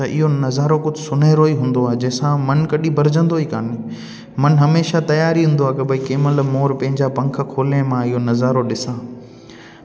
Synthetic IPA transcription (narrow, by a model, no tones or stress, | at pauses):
ɐʔɪ̰ɦonɐzaːɾokʊd͡ʑʱsʊnaːɾoiɦũːn̆d̪oaːɦd͡ʑɐ̃ːsãmɐnkɐɗĩbʱɐɾd͡ʑə̃nd̪oɦiːka̰ːni | mɐnɦɐmeːʃat̪ɐjaːɾiɦũːn̆d̪oaːkɐbɐikeːməlmoːɾpɐ̃ɦɪ̃ɲd͡ʑapɐ̃ŋk̆ʰkʰoːlə̃mãɪɦonɐzaːɾoɗɪsãː